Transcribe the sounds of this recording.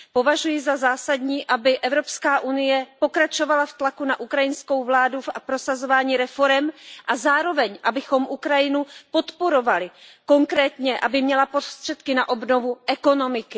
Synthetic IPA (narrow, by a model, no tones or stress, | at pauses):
po̞vaʒujɪzazaːsadɲiːʔabɪʔɛvɾo̞pskaːʔunɪjɛpo̞kɾat͡ʃo̞valaft̪lakunaʔukɾajɪnsko̞wvlaːdufʔapɾo̞sazo̞vaːɲiːɾɛfo̞ɾɛmʔazaːɾo̞vɛɲʔabɪxo̞mʔukɾajɪnupo̞t̪po̞ɾo̞valɪko̞ŋkɾɛːt̪ɲɛʔabɪmɲɛlapɾost̪r̥ɛt̪kɪnaʔo̞bno̞vuʔɛko̞no̞mɪkɪ